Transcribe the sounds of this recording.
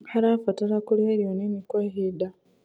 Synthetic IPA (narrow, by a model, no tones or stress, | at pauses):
haɾafataɾakuliheɾionemikwaɦida